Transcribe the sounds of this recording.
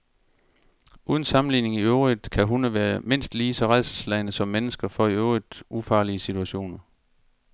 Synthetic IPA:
ʔuːðˠn̩sɑ̈mn̩lḭːne̝ŋiøʊʁid̥ˠkʰæɦunəʋæːɐme̝n̰sd̥liːsɒ̽ʁað̰ˠsslæɪnəsɒ̽mːenəsɡ̥ɐfɒiøʊʁid̥ufɑ̈ːliəsit͡sʰuæɕo̝̰ːnɐ

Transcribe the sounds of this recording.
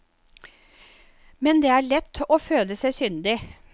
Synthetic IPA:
mɛnd̪eːæːɭɛt̪ːoːføːləsæɪsʏnd̪ɪ

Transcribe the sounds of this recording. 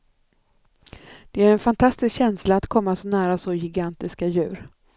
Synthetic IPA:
d̪̥ɛæɾɛnfant̪ʰast̪ɪskɕɛnslaːt̪kʰɔmːasɔnæːɾasɔjɪɡant̪ɪskajʉ̟ːɾ

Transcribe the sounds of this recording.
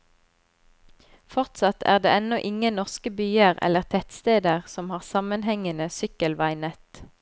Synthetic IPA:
fɔʁt̪sɑt̪ʰæːʁd̪ḛːɛnɔʔɪŋənɔʁskəbyːəʁɛ̰ləʁt̪ʰɛt̪st̪eːd̪əʁsɔmhɑːʁsɑmənhɛŋənəsʏkəlʋæɪnət̪

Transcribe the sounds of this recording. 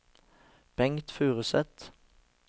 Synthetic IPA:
b̥ɛŋt̪fʉːʁəsɛt̪

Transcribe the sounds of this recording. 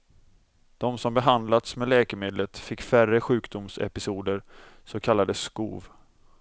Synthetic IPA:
d̪̥ɔmsɔmbɛɦand̪lat̪smɛːlɛːkəmeːd̪lət̪fɪkːfærəɧʉ̟ːkd̪ʊmsɛ̰pɪsuːd̪əɾsɔkʰalːad̪əskṵːv

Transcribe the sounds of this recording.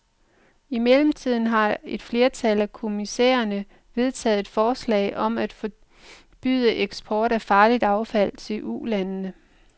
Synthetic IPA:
imelm̩t͡sʰið̞̰ˠn̩ɦɑ̈e̝d̥fle̝ːɐt͡sʰælækʰo̝misḛːɐnə | ʋe̝ð̞ˠt͡sʰɛ̰ːð̩ˠe̝d̥fɒːslɛ̰ɪʔɒ̽mæd̥fɒ | b̥y̰ð̞̰ˠəʔeɡ̥sb̥ʰɒːɾ̥æfɑ̈ːlid̥ɑ̈ʊfæl̰t͡sʰe̝lʔṵlænːə

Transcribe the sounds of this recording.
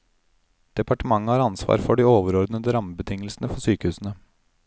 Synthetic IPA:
d̪̥ɛpʰɑʈəmɑŋːəhɑːɾɑnsʋɑ̰ːɾfɔɖiːoːʋəɾɔɾd̪nəəɾɑməbət̪ʰɪŋːəlsnəfɔsyːkəhʉːsn̩ə

